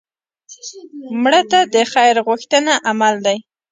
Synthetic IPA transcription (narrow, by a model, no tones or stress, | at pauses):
mɽət̪ad̪əxajɾɣʊxt̪ənaʔamald̪aj